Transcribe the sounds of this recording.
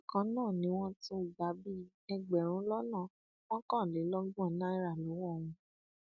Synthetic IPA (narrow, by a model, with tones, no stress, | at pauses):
kã˨˧nãː˦˨nĩ˨˦w̃ɔ̃˦tũ˦˨ɡ͡ba˨˦bi˦ | ɛ˧ɡ͡bɛ˨ɾ̃ũ˨˦lɔ˦nã˦˨ | w̃ɔ̃˦kã˦˨le˨˦lɔ˦ɡũ˦a˨nã˦i˦ɾa˨lɔ˨˦wɔ˦˨w̃ũ˧